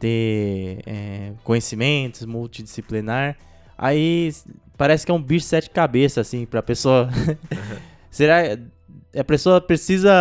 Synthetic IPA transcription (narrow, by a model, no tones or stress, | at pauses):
t̪ẽ | ɛ̰kõɲesimẽt̪ʊszmuwt͡ʃid͡ʒisiplinaɾ | a̰i | paɾɛsɪ̥kɛũbiʃsɛt͡ʃd͡ʒɪkabesɐːsĩpɾɐpesoɐ | seɾak | ɐpɾesoɐpɾesizɐ